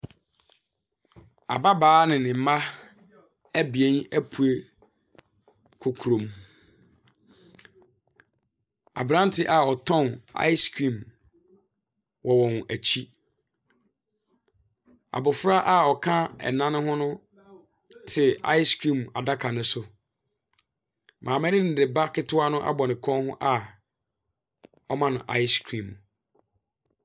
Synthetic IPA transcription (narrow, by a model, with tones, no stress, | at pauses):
a̰˨ba˦baː˦nɪ̃˨nɪ̃˨m̩˨˦ma˦ | æ˦bi˨ɛ̃˦næ˦pʰu˨e˦ | kʰʊ˨kʰu˨ɾõ˨m | a̰˨bɾã˦n˦tʰɪ˦ʔa˨ɔ˨tʰɔ̃˦na̰˦ɪ˦skʰɾĩ˦˨m | wʔɔ˨wɔ̃˨n˨æ˨t͡ɕʰi˦ | a̰˨bʊ˨fɾa˦ʔa˦ɔ˨kʰã˦ɛ̰˨nã˦nʊ̃˦ɦʊ̃˦nʊ̃˦ | tʰɪ˨a̰˦jɪ˦skʰɾĩ˦˨ma˨da˦kʰa˨nʊ̃˦sʊ˦ | mʔãː˨mɪ̃˦nɪ̃˦nɪ˨dɪ˨ba˦kʰɪ˦tʰʊ˦a˦nʊ̃˦ʔa̰˦bɔ˨nɪ̃˨kʰɔ̃˦nhʊ̃˦ʔa˨ | ɔ˦mã˦nʊ̃˨ʔa̰˦ɪ˦skʰɾĩ˨m